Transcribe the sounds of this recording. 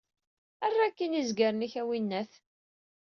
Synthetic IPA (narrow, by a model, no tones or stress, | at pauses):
ærːakːinizɡaɾniçæwinːæθ